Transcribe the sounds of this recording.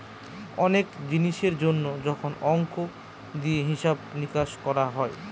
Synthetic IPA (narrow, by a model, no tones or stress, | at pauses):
ɔnekd͡ʑiniʃeɾd͡ʑonːod͡ʑɔkʰonɔŋko | d̪ieɦiʃabnikaʃkɔɾaɦɔe